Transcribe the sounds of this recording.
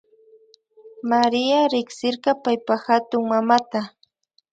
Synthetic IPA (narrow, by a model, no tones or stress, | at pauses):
maɾɪaɾɪksɪɾɢɑpajpaxat̪ʊŋmamat̪a